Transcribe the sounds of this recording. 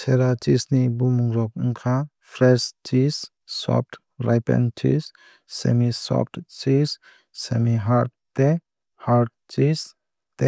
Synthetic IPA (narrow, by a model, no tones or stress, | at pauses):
seɾat͡ʃisnibumuŋɾɔk̚uŋkʰa | pʰɾɛst͡ʃis | sɔ̰p̚ʰʈ | ɾajpɛ̰nt͡ʃḭs | sḛmisɔ̰p̚ʰtt͡ʃis | semiɦaɾt̚ | t̪e | haɾt̚ | t͡ʃis | t̪e